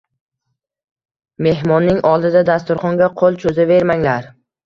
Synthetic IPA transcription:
me̞hmɒnːɪŋʔɒlˠd̪ɪd̪ad̪ast̪ʊɾχɒŋɡʲaqʰolˠt͡ʃʰɵzave̞ɾmaŋlaɾ

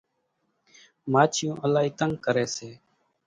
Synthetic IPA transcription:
maːt͡ʃʰɪjõːʔəlaːiːt̪əŋɡkəɾeːseː

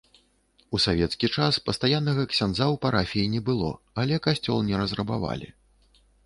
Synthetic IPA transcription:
usavʲɛt̪skʲit͡ʂaspɐst̪ajanːɐɣɐksʲanzawpaɾafʲijinʲɛbɨlˠɔ̰ | alʲɛkasʲt͡sʲɔlˠnʲɛɾɐzrɐba̰va̰lʲḭ

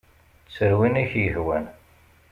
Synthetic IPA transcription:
t͡sːəɾwinæçjəhwæn

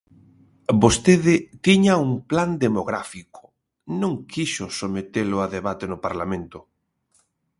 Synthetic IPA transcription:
bost̪eðɪt̪iɲauŋpland̪emoɣɾafiko̥ | nõŋkʰiʃʊsomet̪elʊaðeβat̪enʊpaɾlamẽnt̪ʊ

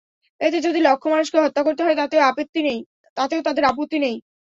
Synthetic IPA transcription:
et̪ed͡ʑod̪ilokʰːomanuʃkeɦɔt̪ːakoɾt̪eɦɔet̪at̪eoapet̪ːinej | t̪at̪eot̪ad̪eɾap̬ot̪ːinej

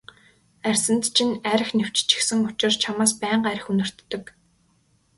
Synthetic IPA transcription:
ærʲsə̆nt̪t͡ɕʰinæɾɘ̆xnew̥t͡ɕt͡ɕĭ̥xsɘ̆ŋʊt͡ɕɪ̆rt͡ɕʰamaːspæːɴɢæɾə̆xunɵ̆r̥t̪ːɵ̆k

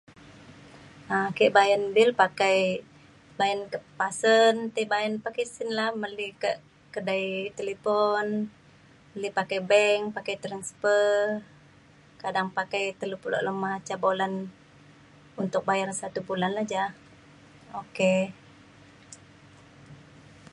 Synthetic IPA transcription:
ʔakiʔbajənbilpakaj | bajənkəpasənt̪əbaənpakajsinlahməlikəʔ | kədajt̪elepɔn | məlipakajbɛŋpakajt̪ɾanspə | kadaŋpakajt̪əlupulo̰ʔləmat͡ʃabolan | unt̪ʊk̚bajarsat̪ubulanlahd͡ʒah | oke

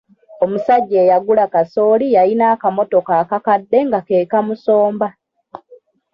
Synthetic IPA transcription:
o̞musaɟːe̞ːjaɡulakaso̞ːlijainaːkamo̞to̞kaːkakadːe̞ŋɡake̞ːkamuso̞ːmba

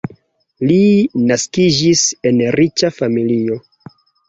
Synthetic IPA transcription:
linaskid͡ʒise̞nɾit͡ʃafamilio̞

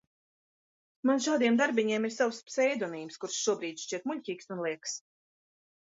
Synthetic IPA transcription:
manʃaːd̪iɛmd̪aɾbʲiɲiɛmiɾsawspsɛjd̪ɔniːmskuɾʃʃuɔbɾiːd̪ʲʃt͡ʃiɛt̪muʎʲcʲiːksunlˠiɛks

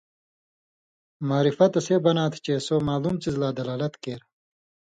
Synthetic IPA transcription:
maːɾifɐt̪ɐseːbɐnaːt̪ʰt͡ɕeːsoːmaːluːmt͡sizlaːd̪ɐlaːlɐt̪keːɾ

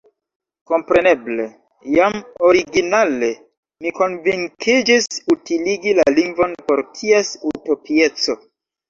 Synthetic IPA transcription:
ko̞mpɾe̞ne̞ble̞ | jamo̞ɾiɡinale̞ | miko̞nviŋkid͡ʒisutiliɡilaliŋɡvo̞npo̞ɾtʰiesuto̞pie̞t͡so̞

